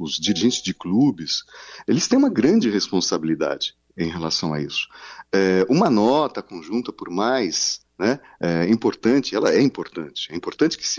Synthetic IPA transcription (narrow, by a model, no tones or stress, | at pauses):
ʊzd͡ʒiɾiʒẽnt͡ʃɪzd͡ʒɪklubɪselɪst̪ẽj̃ũmɐɡɾɐ̃d͡ʒɪɦespõsabilid̪a̰d͡ʒɪ | ẽj̃ɦelasɐ̃w̃a̰isʊ̥ɛũmɐnɔt̪ɐkõʒũnt̪ɐpoɾmajs | nɛ | ɛĩpoɾt̪ɐ̃t͡ʃɪɛlɐɛĩpoɾt̪ɐ̃nt͡ʃɪ̥ɛĩmpoɾt̪ɐ̃nt͡ʃɪ̥kɪ̥s